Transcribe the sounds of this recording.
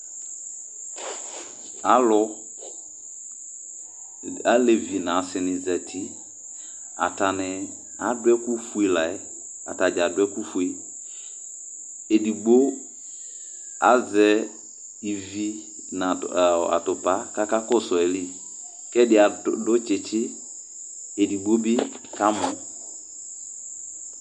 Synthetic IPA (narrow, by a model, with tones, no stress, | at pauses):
a˨˦lɔ˦ | a˦le˨vi˨nã˨sɪ˨nɪ˨zɛ˨tʰi˦ | a̰˨ta˨nɪ˨ | a˨˦dwɛ˦ku˦fu˦e˨la˨ɛ˦ | a̰˨ta˨d͡ʒa˨dwɛ˦ku˦fu˨e˦ | e˨di˨ɡ͡bo˦ | a̰˦zɛ˨ | i˨vi˦ | na˨a̰˨tʊ˨pa˦ka˦ka˦kɔ˦sɔ˨e˨li˦ | kɛ˦dɪ˨˦a˨dʊ˦t͡ʃɪ˨t͡ʃɪ˦ | e˨di˨ɡ͡bo˦bɪ˦ | ka˦mʊ˨